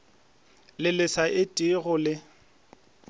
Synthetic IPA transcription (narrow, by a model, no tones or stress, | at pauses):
lɪlɪsaʔɪtʼɪɣʊlɪ